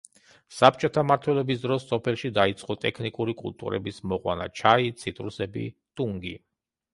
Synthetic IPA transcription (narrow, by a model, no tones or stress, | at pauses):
sap̚t͡ʃʼɔt̪ʰamaɾt̪ʰwɛlɛbisd̪ɾɔsːɔpʰɛlˠʃid̪ait̪sʼqʼɔt̪ʼɛkʰnikʼuɾikʼṵlt̪ʼṵɾɛ̰bismɔqʼwa̰na̰t͡ʃʰait̪sʰit̪ʼɾusɛbḭt̪ʼuŋɡḭ